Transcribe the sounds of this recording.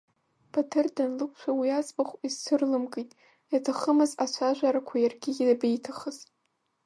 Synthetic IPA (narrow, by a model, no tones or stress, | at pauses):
b̥atʰɨrdanlɨkʷʰʼt͡ʃʷʰawiazbaχʷizsɨrlɨmɡʼejtʼ | jatʰaχəmɨzat͡ʃʷʰaʒʷaɾakʷʰajarɡʲɪɡʲabejtʰaχəz̥